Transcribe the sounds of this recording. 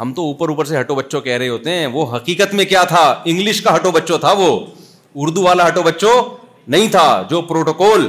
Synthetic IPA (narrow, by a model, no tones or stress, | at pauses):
ɦɐmt̪ouːpəɾuːpəɾseɦɐʈobɐtːʃõkɛɦɾɐɦeɦoːt̪eɦɛ̃ːʋoɦɐqiːkət̪mẽkjaːt̪ʰaɪ̃ŋɡlɪʃkaɦɐʈobɐtːʃot̪ʰaʋoː | ʊɾd̪uʋaːlaɦɐʈobɐtːʃo | nɐɦĩt̪ʰad͡ʒoːpɾoːʈokɔːl